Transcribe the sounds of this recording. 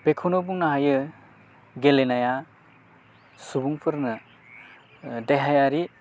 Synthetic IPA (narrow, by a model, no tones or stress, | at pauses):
b̥ekʰonobuŋnaɦajɯ | ɡelenaja | subuŋpʰɯɾnɯ | deɦajaɾi